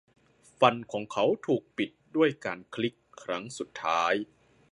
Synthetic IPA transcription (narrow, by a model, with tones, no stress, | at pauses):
fa˧nkʰɔː˩˦ŋkʰa˦˥wt̪ʰuː˨˩k̚pi˨˩t̪̚du˥˩əjkaː˧nkʰli˦˥kʰːɾa˦˥ŋsu˨˩t̪ʰːaː˦˥j